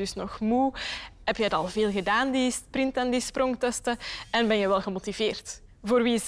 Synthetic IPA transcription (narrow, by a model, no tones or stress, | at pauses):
ɵsnɔxmuɦɛpjətɑlˠveːlˠɣədaːndisprɪntandispɾʔɔŋtɛstəɛnbɛnjəʋɛlˠɣəmotiveːrt | voːrʋi